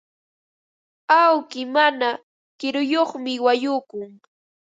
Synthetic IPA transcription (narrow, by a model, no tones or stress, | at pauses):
awkɪmana | kɪɾʊjoχmɪwajʊkʊŋ